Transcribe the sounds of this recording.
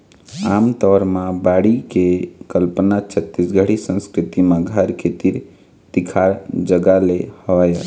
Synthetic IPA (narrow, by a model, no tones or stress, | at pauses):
aːmt̪ɔɾmãbaɽikekəlpənat͡ʃʰət̪ːisɡʱəɽisə̃nskɾɪt̪imãɡʱaɾkʰet̪iɾ | t̪ikʰaɾd͡ʒəɡalehəʋajə